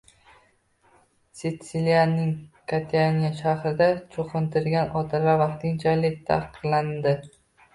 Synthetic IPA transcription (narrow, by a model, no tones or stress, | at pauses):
sɪt̪silijanːɪŋkʰat̪ʰanijaʃahɾɪd̪at͡ʃʰoqʰɨnt̪ʰɪɾɡʲanʔɒt̪ʰɪɾʁavɑqt̪ʰɪŋt͡ʃʰalɪk̚ʲt̪ʰa̰qɨqlˠand̪ɪ